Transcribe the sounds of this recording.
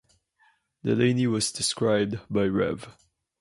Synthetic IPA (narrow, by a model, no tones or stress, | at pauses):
dɛlẽɪniwʌzdɪskɹaɪb̚dbaɪɹɛ̰v